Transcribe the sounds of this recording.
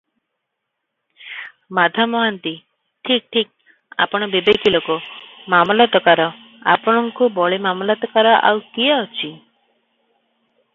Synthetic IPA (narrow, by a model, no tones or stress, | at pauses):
mad̪ʱamɔɦant̪i | ʈʰik̚ʈʰik̚ | a̰pɔɽ̃ɔbibekilokumamlat̪ɔkaɾɔ | a̰pɔɽ̃ɔŋkubɔɭimamlat̪ɔkaɾɔʔa̰wkiaɔt͡ʃʰi